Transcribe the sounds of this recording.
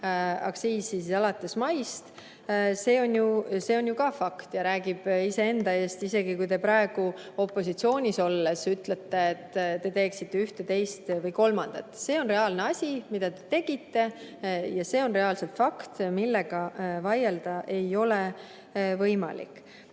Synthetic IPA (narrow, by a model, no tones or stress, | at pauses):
ɑ̰kɑ̥siːsissɑlɑt̪ːˑe̞smɑjst̪ | se̞ːo̞nʲjuse̞ːo̞nʲjukɑfɑkt̪jɑɾæːɡib̥ise̞e̞nd̪ɑe̞ːst̪ise̞ɡikujt̪e̞pɾɑe̞ɡ̥uo̞pːˑo̞sit̪sio̞ːnʲiso̞lːesyt̪let̪ːe̞et̪ːt̪e̞t̪e̞ːksit̪ːeyht̪e̞t̪e̞jst̪vɤjko̞lmɑnd̪̥ɑt̪ːˑse̞ːo̞nre̞ɑːlne̞ɑsʲimid̪ɑt̪e̞t̪e̞ɡ̥it̪ːe̞ | jɑse̞ːo̞nre̞ɑːlse̞lt̪fɑkt̪milːeɡ̥ɑvɑje̞ld̪̥ɑʔe̞jo̞le | vɤjmɑ̰lḭkːˑ